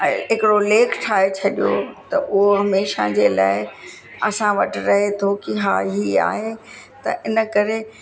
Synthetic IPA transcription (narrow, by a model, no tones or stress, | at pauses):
ɦɪkɪɽoleːkʰʈʰaːɦet͡ɕʰɐɗijo̰t̪ɐʔʊɦoɦɐmeːʃa̰d͡ʑeːla̰ːɪ | ɐsãʋɐʈɪɾɐɦet̪ʰokiɦa̰ːɦia̰ːɦe | t̪ɐ̰ʔɪnə̆kɐɾe